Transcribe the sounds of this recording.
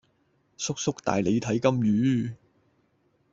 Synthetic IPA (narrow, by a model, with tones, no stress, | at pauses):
sʊ˥k̚sʊ˥k̚t̪a̰ː˨jle˨˧jt̪ʰɐ˨˥jkɐ˥mjyː˨˥